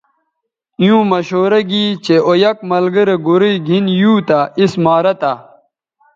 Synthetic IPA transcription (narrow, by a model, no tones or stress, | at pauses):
jũːmɐɕoːɾɐɡiːt͡ɕeʔojɐk̚mɐlɡɐɾeɡuɾiɡʱinjuːt̪aismaːɾɐt̪a